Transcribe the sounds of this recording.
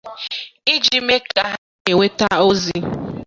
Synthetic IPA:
i˦d͡ʒi˦me˦ka˦ɦa˦ | e˨ŋʷe˦ta˦o˦zi˦

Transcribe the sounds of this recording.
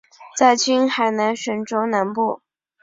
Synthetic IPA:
t͡sa˥˩ɪt͡ɕy˥nxa˧˥ɪna˧˥nʂə˧˥nʈ͡ʂo˥ʊna˧˥npu˥˩

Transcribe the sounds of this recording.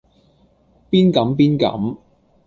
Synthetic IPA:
piː˥nkɐ˨˥mpiː˥nkɐ̰˨˥m

